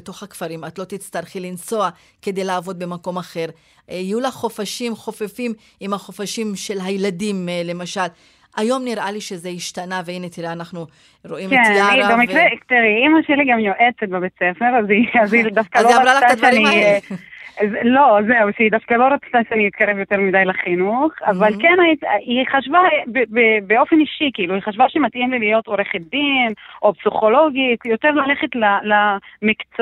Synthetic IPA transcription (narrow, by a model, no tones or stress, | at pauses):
beto̞χhakfaɾimat̪lo̞t̪it͡st̪aʁχilint͡so̞a | ke̞de̞jlaːvo̞d̪̚be̞mako̞maχe̞ʁ | ijulaχχo̞faʃimχo̞fefim | imhaχo̞faʃimʃe̞lɦajladimle̞maʃal | ajo̞mniʁaliʃe̞zeiʃtanaveine̞t̪iɾeanaχnu | ɾo̞ʔimkeaiabemikvʁekt̪eʁiimaʃeliɡamjoʔet͡set̪̚bebet͡sefeɾaziazid̪afkaloʁat͡sːaʃeani | zlo̞ze̞uʃeidafkalo̞ɾat͡st̪aʃeaniit̪̚kaʁevjo̞te̞ʁmidajlaχinuχavalkenaitiχaʃvabebebeo̞feniʃikiiluiχaʃvaʃimatʔimlilijo̞to̞ɾeχet̚d̪inʔo̞psiχo̞lo̞ɡitjo̞teʁlale̞χetlalamikt͡s